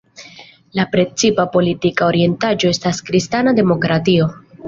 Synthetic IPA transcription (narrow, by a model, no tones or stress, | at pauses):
lapɾe̞t͡sipapo̞litikaoɾie̞ntad͡ʒo̞e̞staskɾistanade̞mo̞kɾatio̞